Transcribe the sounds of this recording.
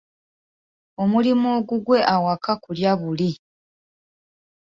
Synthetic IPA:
o̞mulimoːɡuɡwe̞ʔawakakuljaβuli

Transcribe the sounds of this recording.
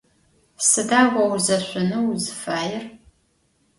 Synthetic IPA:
sɨdaːɡʷɐwzɐɕʷʊnɨwzɨfaːjɪr

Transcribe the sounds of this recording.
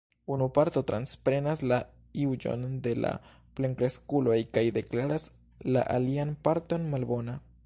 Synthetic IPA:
unupaɾt̪o̞t̪ɾanspɾe̞nasla | iwd͡ʒo̞̰nd̪e̞la̰ | pleŋkɾeskulo̞jkajd̪e̞klaɾas | la̰ʔalianpaɾt̪o̞nmalbo̞na

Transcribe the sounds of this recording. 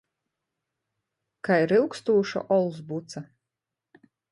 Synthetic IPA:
kajɾɨwkst̪uːʃa̰ʔɔlˠzbut̪sa

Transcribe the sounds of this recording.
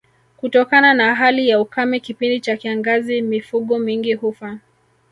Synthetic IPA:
kutɔkananaɦalijaukamikipindit͡ʃakiaŋɡazimifuɠɔmiŋɡihufa

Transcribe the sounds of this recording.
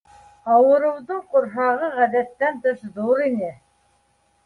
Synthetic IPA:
ɑwɤ̆ɾɤ̆wðɤɴqŏɾɦɑʁɤʁæðæt̪ːænt̪ɤʃðuɾinɘ

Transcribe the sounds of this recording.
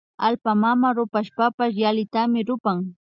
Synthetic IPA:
alpamamaɾʊpaʃpapaʃ̬jalɪt̪amɪɾʊpaŋ

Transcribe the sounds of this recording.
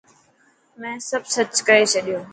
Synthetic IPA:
mɛ̃səbsət͡ʃkəet͡ʃʰəɗjõː

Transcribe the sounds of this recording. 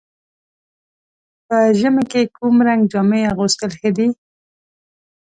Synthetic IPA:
pəʒəmekekumɾaŋɡd͡ʒɑmeaɣust̪əlxəd̪i

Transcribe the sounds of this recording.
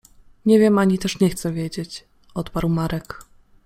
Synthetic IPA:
ɲɛvʲjɛmaɲit̪ɛʂɲɛxt̪sɛvʲjed͡ʑet͡ɕ | ɔt̪paɾwmaɾɛk

